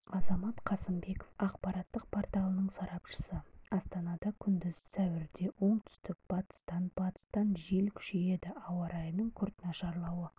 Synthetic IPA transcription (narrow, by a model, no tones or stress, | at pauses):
ɑzɑmɑt̪qʰɑsəmbe̞ko̥fɑqpɑɾɑt̪ːəq̚pʰo̞rt̪ɑlˠənəɴsɑɾɑpʃə̥səɑst̪ɑnɑd̪ɑkʲʰʏnd̪ɪzsæwɪɾd̪e̞ʔo̞ɴt̪ʰʏ̥st̪ɪk̚b̥ɑt̪ə̥st̪ɑnb̥ɑt̪ə̥st̪ɑnʒe̞lkʲʰʏ̥ʃe̞je̞d̪ɪɑwɑɾʔɑjəmnəɴkʲʰʏɾt̪nɑʃɑɾlˠɑwə